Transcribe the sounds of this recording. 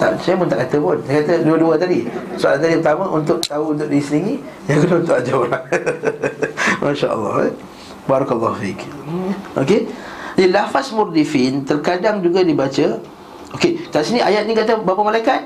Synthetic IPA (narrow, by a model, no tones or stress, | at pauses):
t̪aʔsajəpʊnt̪aʔkat̪əpʊnsajkat̪əduaduat̪adisualat̪̬adipət̪amãʔunt̪ʊk̚t̪auːnt̪ʊk̚diisəniŋi | jakənaunt̪ʊʔad͡ʒauɾa | mʔaʃa̰ə̰lˠːɑ̰h | baɾɔkɔlˤːɑhfik | ʔoked͡ʒalafasmʊrdifint̪ərkadaŋd͡ʒuɡadibat͡ʃa | oket̪aʔsiniʔajat̪̚nikat̪əbapamalajkat̪̚